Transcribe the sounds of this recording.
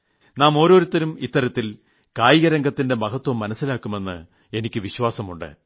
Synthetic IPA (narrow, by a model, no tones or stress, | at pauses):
naːmo̞ːɾo̞ːɾut̪ːɐɾumit̪ːɐɾɐt̪ːil | kaːjiɣɐɾɐŋɡɐt̪ːinde̞mɐɦɐt̪ːwɐmːɐnɐsːilaːkːume̞nːɨ̰ | e̞nikʲːɨʋiɕʋaːsɐmuɳɖɨ̰